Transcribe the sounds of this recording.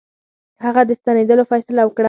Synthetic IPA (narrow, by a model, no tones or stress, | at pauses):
haɣad̪əst̪aned̪əlofɑjsɪlawəkɽa